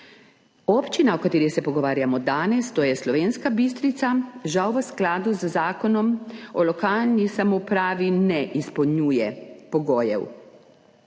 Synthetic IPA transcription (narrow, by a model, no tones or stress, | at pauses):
ɔpt͡ʃinaɔkat̪eːɾixsɛpɔɡɔʋaːɾjamɔd̪aːnɛst̪oːjɛslɔʋenskabis̬t̪ɾit̪saʒawʋəsklaːd̪uzzaːkɔnɔmɔlɔkaːlnisamopɾaːʋinɛʔispɔwɲuːjɛpɔɡoːjɛ̰w